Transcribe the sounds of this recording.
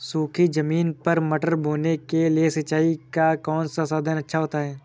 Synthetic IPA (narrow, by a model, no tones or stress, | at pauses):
suːkʰid͡ʒɐmiːnpɐɾmɐʈəɾbʱoːnekeliesɐtːt͡ʃaːikakɔːnsasaːd̪ʱənɐtːʃʰaɦoːt̪aɦɛː